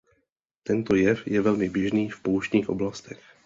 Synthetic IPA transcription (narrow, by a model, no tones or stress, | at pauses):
t̪ɛnt̪o̞jɛfjɛvɛlmɪbjɛʒniːfpouʃɲiːxʔo̞blast̪ɛx